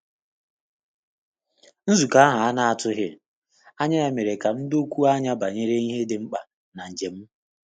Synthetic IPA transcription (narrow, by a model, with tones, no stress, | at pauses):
n̩˦zu˨ka˨˦a˦ɦa˨a˦na˦a˨tʊ˦ɦɪ˦ | a˦ɲa˦a˨me˨ɾe˨ka˨m̩˦do˦kʷu˦a˦ɲa˦ba˨ɲe˦ɾe˦ni˦ɦe˦dɪ˨ŋ͡m̩˦k͡pa˨ | na˨n̩˨d͡ʒe˨m̩˦